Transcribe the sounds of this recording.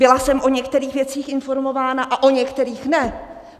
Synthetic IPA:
bɪlasɛmʔo̞ɲɛkt̪ɛɾiːxvjɛt͡siːxʔɪnfo̞ɾmo̞vaːnaʔaʔo̞ɲɛkt̪ɛɾiːxnɛ

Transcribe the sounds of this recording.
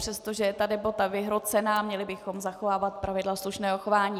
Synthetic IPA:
r̥ɛst̪o̞ʒɛjɛt̪adɛbat̪avɪɦɾo̞t͡sɛnaːmɲɛlɪbɪxo̞mzaxovaːvat̪̚pɾʔavɪdlasluʃnɛːɦoxovaːɲiː

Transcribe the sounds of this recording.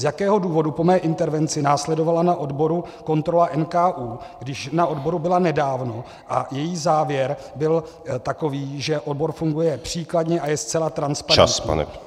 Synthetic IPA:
zjakɛːɦo̞duːvo̞dupo̞mɛːʔɪnt̪ɛɾvɛnt͡sɪnaːslɛdo̞valanaʔo̞dbo̞ɾu | ko̞nt̪ɾo̞laʔɛnkaːʔuːɡdɪʃnaʔo̞dbo̞ɾubɪlanɛdaːvno̞ | ʔajɛjiːzaːvjɛɾ | bɪl | t̪ako̞viːʒɛʔodbo̞ɾfuŋɡujɛpr̝̥iːkladɲɛʔajɛst͡sɛlat̪ɾanspaɾɛa̰sa̰ɛ̰

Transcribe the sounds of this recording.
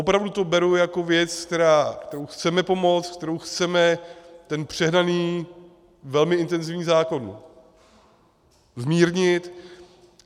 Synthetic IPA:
ʔopɾavdut̪o̞bɛɾujako̞vjɛt͡skt̪ɛɾaːkt̪ɛɾowxt͡sɛmɛpo̞mo̞t͡st̪k̚t̪ɛɾowxt͡sɛmɛt̪ɛnpr̝̥ɛɦnaniː | vɛlmɪʔɪnt̪ɛnzɪvɲiːzaːko̞n | zmiːɾɲɪt̪

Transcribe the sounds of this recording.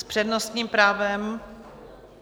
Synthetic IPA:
spr̥ɛdnost̪ɲiːmpɾaːvɛm

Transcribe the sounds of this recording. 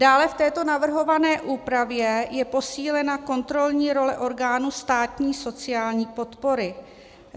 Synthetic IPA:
d̥aːlɛft̪ɛːt̪o̞navr̩ɦo̞vanɛːʔuːpɾavjɛjɛpo̞siːlɛnako̞nt̪ɾo̞lɲiːɾo̞lɛʔo̞ɾɡaːnust̪aːt̪ɲiːso̞t͡sɪjaːlɲiːpo̞t̪po̞ɾɪ

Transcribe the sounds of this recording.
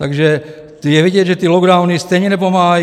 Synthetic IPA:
t̪aɡʒɛ | t̪jɛʋiɟɪɛd͡ʒʒɛt̪iːlɔɡd̪aʊnist̪ɛɲɛnɛp̬ɔma

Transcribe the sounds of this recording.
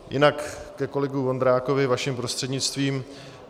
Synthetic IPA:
jɪ̰nakːɛko̞lɛɡuvo̞nd̪ɾaːko̞vɪvaʃɪmpɾo̞st̪r̥ɛdɲɪt͡st̪viːm

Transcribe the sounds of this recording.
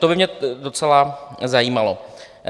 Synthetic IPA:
t̪obɪmɲɛdo̞t͡sɛlazajiːmalo̞

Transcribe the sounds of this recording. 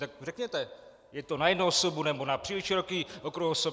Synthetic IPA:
t̪ak̚rɛkɲɛt̪ɛ | jɛt̪onajɛdnowsobunɛbonapr̥iːlɪʃɪɾokiːʔokɾuhoso

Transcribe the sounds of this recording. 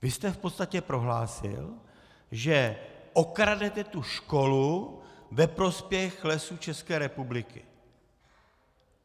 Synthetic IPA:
vɪst̪ɛfpot̪st̪acɛpɾo̞ɦlaːsɪ̰l | ʒɛʔo̞kɾadɛt̪ɛt̪uʃko̞luvɛpɾo̞spjɛxlɛsut͡ʃɛskɛːɾɛpublɪkɪ̰

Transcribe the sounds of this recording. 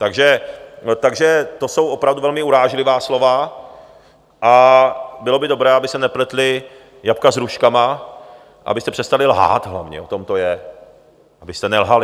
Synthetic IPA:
t̪aɡʒɛt̪aɡʒɛt̪o̞so̞wʔo̞pɾavduvɛlmɪuɾaːʒlɪvaːslo̞va | ʔabɪlo̞bɪdo̞bɾɛːabɪsɛnɛplɛt̪lɪ | japkazɾuʃkama | ʔa̰bɪst̪ɛpr̥ɛst̪alɪlɦa̰ːt̪ɦla̰vɲɛ̰ot̪o̞mt̪o̞jɛ | ʔabɪst̪ɛnɛlɦalɪ

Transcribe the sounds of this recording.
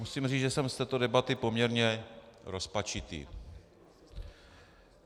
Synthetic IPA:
usiːmriːʒɛsɛmst̪ɛːt̪o̞dɛbat̪ɪpo̞mɲɛɾɲɛɾo̞spat͡ʃɪt̪ḭː

